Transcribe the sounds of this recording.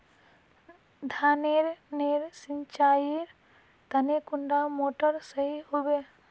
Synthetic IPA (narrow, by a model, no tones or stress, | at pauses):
d̪ʱaːneɾneːɾsɪɲt͡ʃaːjiɾ | t̪ɐnekʊɳɖamoːʈəɾsɐɦiɦʊbe